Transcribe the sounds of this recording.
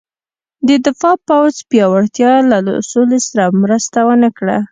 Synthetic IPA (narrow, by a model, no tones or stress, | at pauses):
d̪əd̪ɪfɑpawzpjɑwaɽt̪jɑlal̰solesaɾamɾəst̪awənəkɽa̰